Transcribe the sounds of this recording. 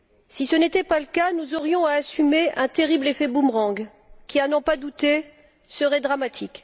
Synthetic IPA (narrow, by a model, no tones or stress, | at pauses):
sisənet̪ɛpaləkanuzɔʁjɔ̃aːsymeʔɛ̃t̪eʁiblefɛbumʁɑ̃ɡ | kʲianɔ̃pad̪ut̪e | səʁɛd̪ʁamat̪ʰik